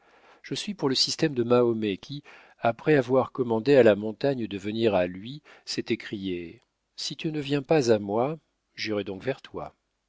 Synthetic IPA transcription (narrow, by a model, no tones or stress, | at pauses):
ʒ̥əsɥipuʁləsist̪ɛmd̪əmaomɛkʲʰi | apχɛavwaʁkɔmɑ̃d̪ealamɔ̃t̪aɲd̪əvəniʁalɥi | sɛt̪ɛkχije | sit̪ynəvjɛ̃pazamwa | ʒiʁɛd̪ɔ̃kvɛʁt̪wa̰